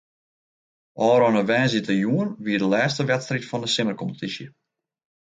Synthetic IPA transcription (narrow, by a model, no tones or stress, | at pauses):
ʔɔːɾɔnəʋɛːnzitəjuənʋiədəlɛːstəʋɛtstritfɔndəsɪmərkɔmpətʰisjə